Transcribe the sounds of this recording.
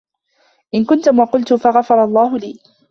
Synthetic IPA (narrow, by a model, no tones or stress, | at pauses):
ʔɪnkʊnt̪ʊmwɑqʊlt̪ʊfaɣɑfɑɾˤɑlˤːɑːɦʊliː